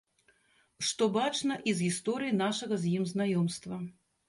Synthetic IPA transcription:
ʂt̪ɔbat͡ʂnɐʔizɣʲist̪ɔɾɨjinaʂɐɣɐzʲjimznajɔmst̪vɐ

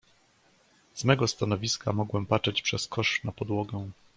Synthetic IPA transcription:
z̥mɛɡɔst̪anɔvʲiskamɔɡwɛmpat͡ʂɛt͡ɕpʂɛskʰɔʂnapɔd̪wɔɡɛ̃

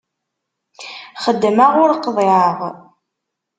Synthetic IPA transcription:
χəd̪ːmaʁʊɾqðˤeəʁ

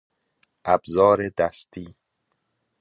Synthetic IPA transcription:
ʔæbzɒːɾed̪æst̪ʰiː

